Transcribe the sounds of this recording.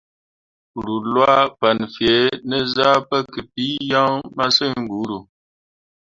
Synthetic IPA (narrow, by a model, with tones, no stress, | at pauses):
ɾu˨lwa˦pa˨nfje˨˦nə˦za˦pə˦ki˨pi˦ja˦ŋma˦sə˦˨ŋ̩˨ɡu˨˦ɾu˨